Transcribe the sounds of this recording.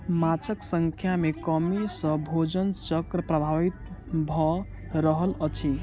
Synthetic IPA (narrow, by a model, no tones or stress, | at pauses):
mat͡ʃʰəksəŋkʰjamekəmisə̃bʱod͡ʒənt͡ʃəkɾəpɾəbʱaʋit̪̚bʱɔ | ɾəɦələt͡ʃʰi